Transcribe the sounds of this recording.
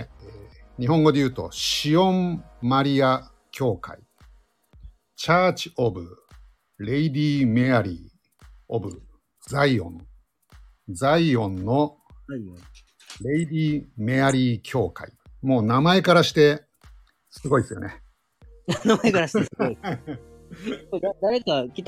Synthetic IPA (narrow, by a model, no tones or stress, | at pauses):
eːɲ̟iɦõ̞ŋɡo̞d̪e̞jɯ̟ːt̪o̞̰ɕiõ̞mmːaɾʲia | kʲʰo̞ːka̰i | t͡ɕaːt͡ɕi̥o̞bɯ | ɾe̞id̪ʲiːme̞aɾʲḭː | obɯ̟̰ | d͡zaiõ̞̰n | d͡zaiõ̞nːo̞ | ɾe̞id̪ʲiːme̞aɾʲiːkʲʰo̞ːka̰imo̞ːnamae̞kaɾaɕi̥t̪e̞ | sɨɡo̞isɨjo̞̰ne | namaekaɾaɕ | oad̪aɾekakʲit̪